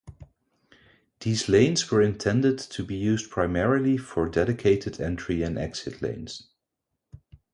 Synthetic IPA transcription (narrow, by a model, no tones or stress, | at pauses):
ðiːzlẽɪ̃nzwə˞ɨ̃ntʰɛ̃ndɨdtʰubijʉzpʰɹ̥aɪmɛɹilˠifə˞dɛɾɨkʰeɪtɨdɛ̃ntɹ̥iɨ̃nɛ̰ksɪtʰˡlḛ̃ɪ̃nz̥